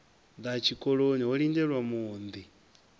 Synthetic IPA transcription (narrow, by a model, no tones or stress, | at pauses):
d̪at͡ʃʰikʼɔɺoniɦɔɺindɛɺwamuːnd̪i